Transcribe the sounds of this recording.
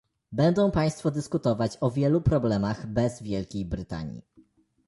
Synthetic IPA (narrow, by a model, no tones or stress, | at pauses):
bɛnd̪ɔ̃w̃paj̃st̪fɔd̪ɘskut̪ɔvat͡ɕɔvʲjɛlupɾɔblɛmaɣbɛzvʲjɛlkʲejbɾɘt̪a̰ɲḭ